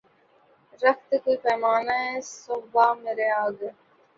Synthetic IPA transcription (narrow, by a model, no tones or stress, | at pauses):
ɾɐkt̪kipɛːmaːnaesʊɦbaːmeːɾeaːɡ